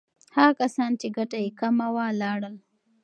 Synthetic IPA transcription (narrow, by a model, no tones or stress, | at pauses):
haɣkasɑnt͡ʃeɡaʈajekamawalɑɽəl